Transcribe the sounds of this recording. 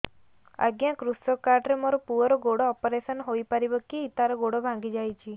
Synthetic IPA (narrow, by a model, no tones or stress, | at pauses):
a̰ɡjakɾusɔkaɾɖɾemoɾɔpuɔɾɔɡoɽɔːpɔɾesɔnɦojpaɾibɔkiːt̪aɾɔɡoɽɔbʱãŋɡid͡ʒajt͡ʃʰi